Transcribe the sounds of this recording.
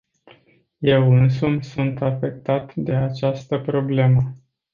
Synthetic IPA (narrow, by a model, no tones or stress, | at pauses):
je̞wɨnsumsunt̪afe̞k̚t̪at̪d̪e̞at͡ʃast̪əpɾo̞ble̞mə